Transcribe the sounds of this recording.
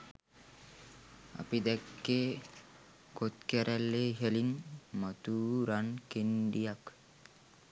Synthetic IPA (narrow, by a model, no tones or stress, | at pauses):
a̰pid̪ɛkːe | kot̪kɛɾʔɛlːeɦəlinmət̪uɾankenɖijak